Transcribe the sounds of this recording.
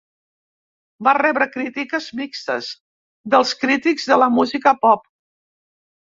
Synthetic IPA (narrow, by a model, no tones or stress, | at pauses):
barɛβɾəkɾit̪ikəzmikst̪ə̰z | d̪əlˠskɾit̪iɡzðələmuzikəpɔp̚